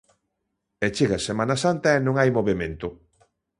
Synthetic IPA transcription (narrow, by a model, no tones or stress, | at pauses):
et͡ʃiɣaɐsemanɐsant̪ɐenõŋajmoβemẽnt̪ʊ